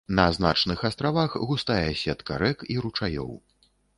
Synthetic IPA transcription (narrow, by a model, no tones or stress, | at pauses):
nɐzna̰t͡ʂnɨxast̪ɾavaxɣust̪ajɛsʲɛt̪kɐ̰ɾɛkiɾut͡ʂajɔ̰w